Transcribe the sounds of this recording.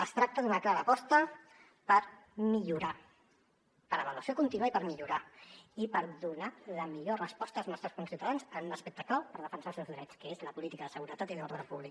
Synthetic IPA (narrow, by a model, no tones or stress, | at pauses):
əst̪ɾak̚t̪əðunəklaɾəpɔst̪ə | pəɾmiʎuɾa | pəɾəβəluəsiokunt̪inuaipəɾmiʎuɾaipəɾðunaləmiʎorəspɔst̪əlznɔst̪ɾəskunsiwt̪aðanzənunəspɛk̚t̪əkawpəɾðəfənsalˠsewzðɾɛt͡skəezləpulit̪ikəðəsəɣuɾət̪at̪iloɾðəɾəpuβlik